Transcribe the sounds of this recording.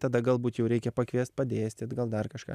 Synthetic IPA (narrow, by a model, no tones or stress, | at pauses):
t̪ɐd̪ɐɡɐlˠbuːt̪jɛʊɾʲɛɪkʲɛpɐkʋʲiɛst̪pɐd̪ʲeːsʲt̪ʲɪt̪ɡɐlˠd̪ɐrkɐʃkɑ̰ː